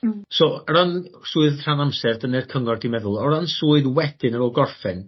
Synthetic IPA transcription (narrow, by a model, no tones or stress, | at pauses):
soːɾansuːɨðr̥anamsɛrdənɛrkʰəŋɔrdimɛðʊlˠɔɾansuːɨðwɛd̥ɨnəɾɔːɡɔrfɛn